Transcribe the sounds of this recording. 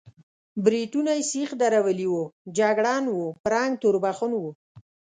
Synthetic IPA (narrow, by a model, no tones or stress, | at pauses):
bɾiʈunajsixd̪aɾawəliwud͡ʒaɡɽɑnwupɾɑŋɡt̪uɾbaxunwu